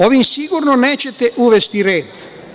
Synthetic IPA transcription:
ovimsiɡuɾnoneːt͡ʃɛt̪eʔuʋest̪iɾeːd̪

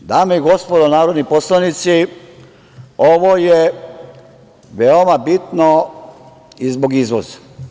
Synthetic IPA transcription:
d̪aːmeiɡo̞spod̪onaːɾod̪niposlˠanit̪si | oʋoje | ʋeomabit̪no | izbo̞ɡizʋo̰za

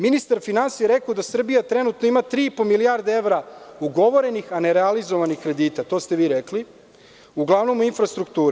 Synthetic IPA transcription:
minist̪aɾfinansijeɾekaod̪asr̩bijat̪ɾe̞nut̪no̞imat̪ɾiːipomilijaɾd̪eeʋɾauɡo̞ʋo̞ɾe̞nixaneɾealizoʋanixkɾe̞d̪iːt̪at̪o̞st̪e̞ʋiːɾekli | uɡlˠaʋno̞muinfɾast̪ɾukt̪uːɾe

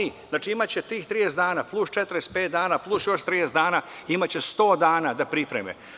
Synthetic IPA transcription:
izznaːt͡ʃiimat͡ɕet̪iːxt̪ɾijesd̪aːnaːplˠust͡ʃet̪ɾespeːt̪̚d̪aːnaplˠusjo̞ʃt̪ɾijesd̪aːnaːimat͡ɕest̪o̞ːd̪aːnad̪apɾipɾḛmḛ

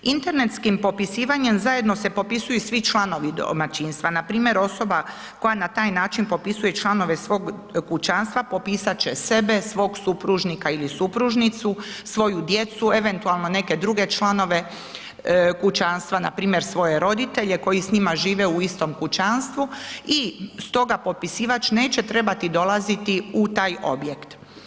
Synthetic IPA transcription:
int̪e̞ɾne̞t̪skimpo̞pisiːʋaɲemzaje̞d̪no̞se̞po̞pisujusʋit͡ʃlˠano̞ʋid̪o̰mat͡ʃiːnst̪ʋanapɾiːmje̞ɾo̞so̞ba | ko̞janat̪aːjnaːt͡ʃinpo̞pisuje̞t͡ʃlˠano̞ʋe̞sʋo̞ːɡkut͡ʃanst̪ʋapo̞piːsat͡ɕe̞se̞be̞sʋo̞ːɡsupɾuʒnikailisupɾuʒnit̪susʋo̞jud̪je̞t̪sue̞ʋe̞nt̪ualˠno̞ne̞ke̞d̪ɾuɡe̞t͡ʃlˠano̞ʋe̞ | kut͡ɕanst̪ʋanapɾiːmje̞ɾsʋo̞je̞ɾo̞d̪it̪e̞ʎe̞ko̞jisɲimaʒiːʋe̞uist̪o̞mkut͡ʃanst̪ʋuist̪o̞ɡapo̞t̪̚pisiːʋat͡ʃne̞ːt͡ɕe̞t̪ɾe̞bat̪id̪o̞lˠazit̪iut̪aːjo̞̰bje̞kt̪

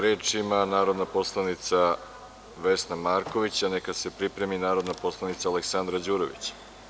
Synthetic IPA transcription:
ɾeːt͡ʃimanaːɾo̞d̪napo̞slˠanit̪sa | ʋe̞snamaɾko̞ʋit͡ɕanekase̞pɾipɾe̞minaːɾo̞d̪napo̞slˠanit̪saːleksand̪ɾad͡ʑuːɾoʋḭt͡ɕḁ

